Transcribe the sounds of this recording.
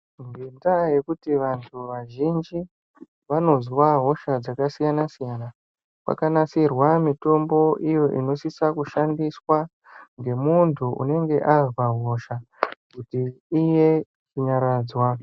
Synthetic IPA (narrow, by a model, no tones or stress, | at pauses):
ŋɡendaje̞kutiʋantʰuʋaʒind͡ʒi | ʋano̞zwaɦo̞ʃad͡zakasijanasijana | kwa̰kanasirwamito̞mbo̞ʔijo̞ʔḭno̞sisakuʃandiswa | ŋɡe̞muntʰuṵne̞ŋɡe̞ʔazwaɦo̞ʃa | kutiːje̞ | t͡ʃiɲaɾaːd͡zwa